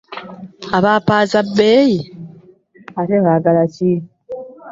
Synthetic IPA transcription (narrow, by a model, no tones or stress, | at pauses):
aβaːpaːzabːeːji | ateɣaːɡalaci